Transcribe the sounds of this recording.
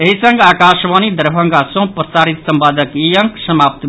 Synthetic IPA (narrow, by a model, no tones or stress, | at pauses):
eɦisə̃ŋɡaːkaʃʋaːnid̪əɾbʱə̃ŋɡasõpɾəsaːɾit̪səmpaːd̪ʱəkijəŋksəmaːp̚t̪